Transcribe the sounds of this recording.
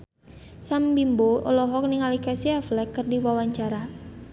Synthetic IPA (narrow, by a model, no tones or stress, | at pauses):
sambimboʔɔ̰lɔɦɔk̚niŋalikasiaflɛkːɨrdiwawaɲt͡ʃaɾa